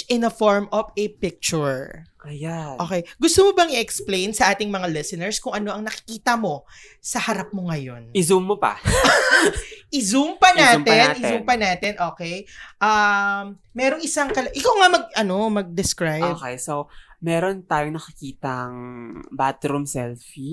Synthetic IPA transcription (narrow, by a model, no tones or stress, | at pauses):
ʔɪnɐfoɹmʔovɛpɪk̚t͡ʃʊɹʔɐjaʔoːkejɡʊst̪omobɐŋɪʔɛksplejnsɐʔaːt̪ɪŋmɐŋalɪsɛnɛɹskʊŋʔɐno̞ʔɐŋnɐkɪ̥kiːt̪ɐmo̞ | sɐhɐɾap̚moŋɐjo̞̰nɪzumːopɐ̰ | ʔɪzumpɐnaːtmt̪ɛnːɪumpɐnaːt̪ɛnʔo̞ːkɛjʔamːɛːɾoŋʔɪsaŋkɐlɐʔɪkawŋamɐɡ̚ʔɐno̞mɐɡ̚d̪ɛskɹajbkɛjsowmɛːɾont̪aːjoŋnɐkɪkiːt̪ɐŋbat̪ɾumsɛlfi